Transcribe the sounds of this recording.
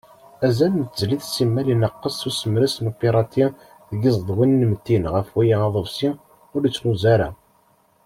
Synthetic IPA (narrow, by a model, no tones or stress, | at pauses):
æzænnt̪ːzliðsimːælinəqːəsˤːusəmɾisnupiɾˤɑt̪i | ðɡizˤd̪ˤwinnəmt̪ːinʁəfwijaʁɑðˤəvsi | ʊɾət͡sːnuzæɾæ